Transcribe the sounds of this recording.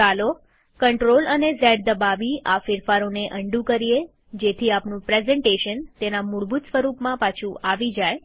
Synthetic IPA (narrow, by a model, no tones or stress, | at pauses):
alo | kəɳʈɾolənezɛɽd̪əbaʋiafɪɾfaɾoneʔəɳɖũkəɾie | d͡ʒet̪ʰiapnũpɾezɛɳʈeʃənt̪enamʊɽbut̪sʋəɾupmãpat͡ʃʰuaʋid͡ʒaj